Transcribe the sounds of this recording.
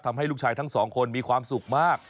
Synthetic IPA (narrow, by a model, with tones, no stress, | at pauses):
t̪ʰa˧mɦa˥˩jlu˥˩t͡ɕʰaː˧jt̪ʰa˥˩ŋsɔː˩˦ŋkʰo˧nmiː˧kʰwaː˧msu˨˩k̚maː˥˩k̚